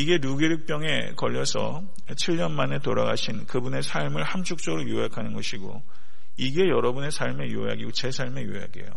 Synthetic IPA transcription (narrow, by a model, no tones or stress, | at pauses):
iɡe̞nuɡeɾɯk̚p͈jʌŋe̞ | kʌʎːʌsʰʌ̰ | t͡ɕʰiɭɲʌnmane̞toɾa̰ɡa̰ɕʰinkɯbune̞sʰaɭmɯɭhamt͡ɕʰuk̚t͡ɕ͈ʌɡɯɾojoɦakʰanɯnɡʌɕʰiɡo̰ | iɡe̞jʌɾʌbune̞sʰaɭme̞jo̰ea̰ɡiɡot͡ɕe̞sʰaɭme̞jo̰ea̰ɡie̞̰jo̰